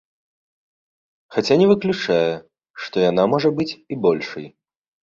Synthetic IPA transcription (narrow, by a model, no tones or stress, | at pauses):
xat͡sʲanʲɛvɨklʲut͡ʂajɛ | ʂt̪ɔjan̪amɔʐɐbɨt͡sʲibɔlʲʂɐj